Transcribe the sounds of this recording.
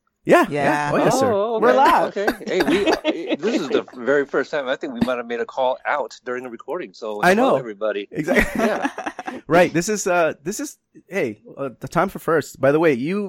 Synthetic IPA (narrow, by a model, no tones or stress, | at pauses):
jæjjæoʊjæsə˞wɪɹlaokʰeɪeɪwiðɪsɨzðɨvɛɹifɜ˞stʰãɪ̃maɪθɪ̃ŋkwimaɪt̚ɨvmeɪɾɨkʰɔlˠa̰ʊtd̥ʊɹɪ̃ŋðɨɹɨkʰɔɹɾɪ̃ŋsoʊaɪnoʊɛvɹibɑɾiɨɡzææ | ɹaɪt̚ðɪsɨzʌðɪsɨz̥ | heɪʌðətʰãɪ̃ɱfə˞fɜ˞st̚b̥aɪðəweɪjɨ